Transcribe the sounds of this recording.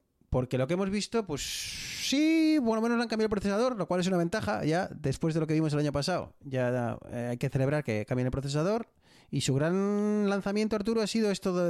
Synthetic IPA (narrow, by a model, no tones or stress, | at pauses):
po̞ɾke̞lo̞kee̞mo̞zβist̪o̞pwe̞sːipoɾomenozlaŋkamjalpɾoθesað̞o̞ɾlo̞kwale̞s̬unaβe̞nt̪axa̰ʝaðe̞spwe̞zðelo̞ke̞βimoe̞laɲopasao̰ʝa̰ajke̞θe̞le̞β̞ɾaɾke̞kambjenelpɾoθe̞s̬aðo̞ɾ | isuɣɾanlan̟θamjent̪oaɾt̪uɾuasiðoe̞st̪oð